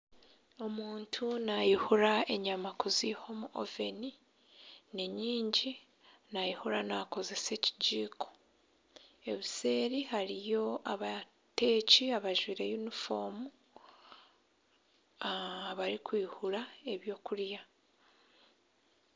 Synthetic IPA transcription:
o̞muːntʰunajihuɾae̞ɲamakuziho̞muʔo̰ve̞ni | neɲiːɲɟi | najihuɾanako̞ze̞se̞ci̥ɟiːkʰo̞̥ | e̞βise̞ːɾihaɾijo̞aβa | te̞ːciaβaʒwiːɾejunifo̞mu | aβaɾikwiːhuɾae̞βjo̞ːkuɾja

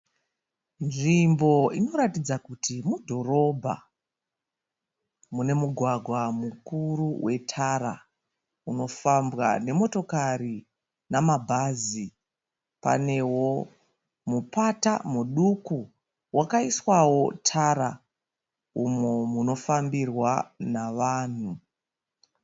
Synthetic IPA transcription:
nʐimbo̞ino̞ɾatid͡zakutimudʱo̞ro̞bʱa̰ | mune̞muɡʱwaɡʱwamukuruwʔe̞tʰaɾa̰ | uno̞fambɣa̰ne̞mo̞to̞kaɾi | namabʱazi | pa̰ne̞wo̞ | mupata̰muɗuku | wakaiswawo̞tʰaɾa | umomuno̞fambirwanaʋaːn̤u

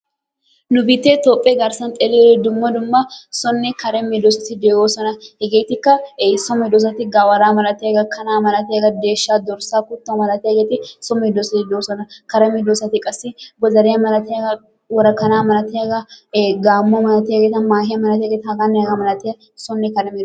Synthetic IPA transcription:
nʊbɪt̪ːeːt̪oːpʼːɛɡɐɾsɐnt̪ʼɛlelɛd̪ʊmːɐd̪ʊmːɐsɔnːɛkɐɾɛmɪd̪osɐt̪ɪd̪eːɡoːsɔnɐhɛɡeːjt̪ɪkːɐsɔmɔɪd̪oːs̬ɐt̪ɪɡaːwɐɾaːmɐlɐt̪ɪɐɡɐkɐnaːmɐlɐt̪ɪɐɡɐd̪eːʃːaːd̪ɔɾsaːkʊt̪ːomɐlɐt̪ɪjɐɡeːt̪ɪsɔmɔɪd̪oːsɐt̪ɪd̪oːsɔnɐkɐɾɛmɛd̪osɐt̪ɪkʼɐsːɪɡɔzɐɾɛjɐmɐlɐt̪ɪjɐɡɐ | wɔɾɐkːɐnaːmɐlɐt̪ɪjɐɡɐɡaːmːomɐlɐt̪ɪɐɡet̪ɐmaːhɪjɐmɐlɐt̪ɪjɐɡeːt̪ɐhɐɡanːɛɡɐmɐlɐt̪ɪɐ | sɔnːɛkɐɾɛmɛ

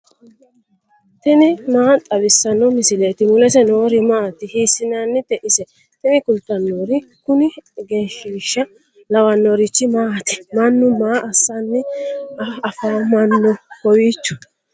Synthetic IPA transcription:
t̪ɛnɪmaːt̪ʼɐbɪsːɐnːɔmɪsɪleːt̪ɪmʊlɛsɛnoːɾɪmaːt̪ːɪhiːsːɪnanːɪt̪ɛʔɪsɛ | t̪ɛnɪkʊlt̪ːɐnːoːɾɪkʊnɪɡɛnʃiːʃːɐ | lɐwɐnːɔɾɪt͡ʃːɪmaːt̪ɛ̥mɐnːʊmaːʔɐsːanːɪɐɐfaːmɐnːɔkɔwiːt͡ʃːʊ̥

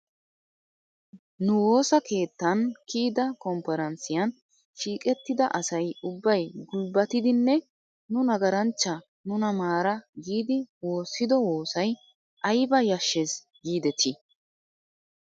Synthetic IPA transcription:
nʊwo̞ːsɐke̞ːt̪ːɐnkiːd̪ɐkɔmpɛɾɐnsɪjɐn | ʃiːkʼɛt̪ːɪd̪ɐʔɐsɐjʊbːɐjɡʊlbɐt̪ɪd̪ɪnːɛ | nʊnɐɡɐɾɐnt͡ʃːɐ | nʊnɐmaːɾɐɡiːd̪ɪwo̞ːsːɪd̪ɔwoːsɐj | ʔɐjbɐjɐʃːes | ɡiːd̪ɛt̪ʰɪ

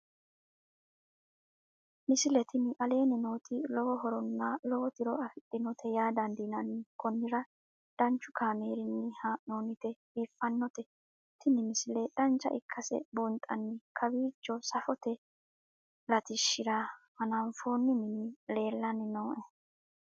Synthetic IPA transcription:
mɪsɪlɛt̪ʰɪnɪʔɐle̞ːnɪno̞ːt̪ʰɪlɔwɔɦɔɾɔnːɐlɔwɔt̪ɪɾɔɐfɪt̪ʼːɪnɔt̪ʰɛjaːd̪ɐnd̪inɐnɪkɔnːɪɾɐ | d̪̥ɐnt͡ʃːʊkʰaːmeːɾɪnːɪhanoːnɪt̪ɛ | iːfːɐnːɔt̪ɛ | t̪ʰɪnɪmɪsɪlɛd̥ɐnt͡ʃːɐ̰ʔɪ̰kʰːɐsɛ̰bʊnt̪ʼːɐnːɪkʰɐbiːt͡ʃːɔsɐfɔt̪ɛ | lɐt̪ɪʃːɪɾahɐnamfoːnːɪnɪnɪle̞ːlːɐnɪnoːʔɛ

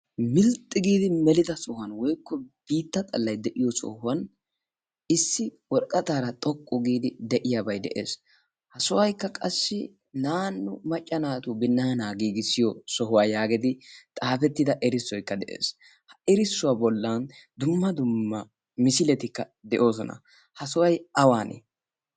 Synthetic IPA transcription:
mɪlt̪ʼːɪɡiːd̪ɪmɛlɪd̪ɐsɔhɐnwɔjkːɔb̥iːt̪ːɐt̪ʼɐlːɐjd̪ɛʔɪjɔsɔ̰hʊwɐn | ɪsːɪwɔɾkʼɐt̪aːɾɐt̪ʼɔkʼːɔɡiːd̪ɪd̪ɛʔɪjabɐjd̪ɛ̰ʔḛːs | hɐsʊwɐjkːɐkʼɐsːɪ | naːnːʊmɐt͡ʃʼːɐnaːt̪ubɪnːɐnaːɡiːɡɪsɪjɔsɔɦʊwaːjaːɡɪd̪ɪt̪ʼaːfɛt̪ːɪd̪ɐʔɛɾɪsːɔjkːɐd̪ɛʔḛːs | hɐɛɾɪsːʊwabɔlːɐnd̪ʊmːɐd̪ʊmːɐ | mɪsɪlɛt̪ɪkːɐ | d̪ɛʔo̞ːs̬ɔnɐ̰ | hɐsʊwɐjɐwaːnḛ

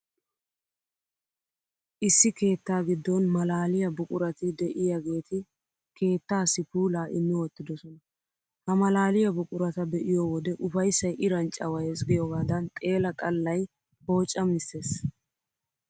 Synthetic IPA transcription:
ʔɪsːɪke̞ːt̪ːaːɡɪd̪ːɔnmɐlaːlɪjɐbʊkʼʊɾɐt̪ɪd̪ɛʔɪjɐɡe̞ːt̪ɪ | kʰe̞ːt̪ːaːsɪpuːlaːʔɪmːɪwɔt̪ːɪd̪ɔsɔnɐ | hɐmɐlaːlɪjɐbʊkʼʊɾɐt̪ɐbɛʔɪjɔwɔd̪ɛʔʊfɐjsːɐjʔɪɾɐnt͡ʃʼɐwɐjesɡɪjɔɡaːd̪ɐnt̪ʼe̞ːlɐkʼɐlːɐj | ho̞ːt͡ʃʼːɐmɪse̞ːs

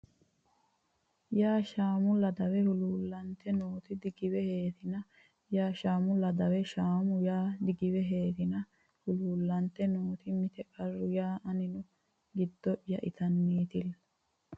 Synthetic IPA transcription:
jaːʃaːmʊlɐd̪ɐwɛhʊluːlːɐnt̪ːɛnoːt̪ɪd̪ɪɡɪwɛhe̞ːt̪ɪnɐ | jaːʃaːmʊlɐd̪ɐwɛʃaːmʊjaːd̪ɪɡɪβɛɦe̞ːt̪ɪnɐ | hʊluːlːɐnt̪ɛnoːt̪ɪmɪt̪ɛkʼɐrːʊjaːʔɐnɪnʊ | ɡɪd̪ːɔʔjɐʔɪt̪ɐnːiːt̪ɪl

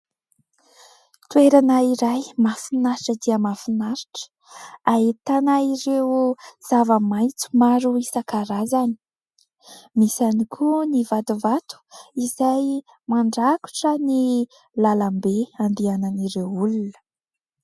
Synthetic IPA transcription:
t̪ueɾanaiɾajmafinaɾiʈ͡ʂəd̪iəmafinaɾiʈ͡ʂə̥ | aɦit̪anaiɾez̥avəmajt͡su̥maɾuisakaɾazani̥ | misanikʰunivat̪uvat̪u̥izaj | maɳɖ͡ʐaku̥ʈ͡ʂəni | lalambeand̪iananiɾewulunə̥

